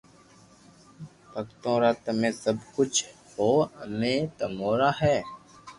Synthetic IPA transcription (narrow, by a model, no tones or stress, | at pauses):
pəkt̪õːɾaːt̪əmẽːsəbkʊt͡ʃʰ | hoːəmẽːt̪əmoːɾaːɦɛː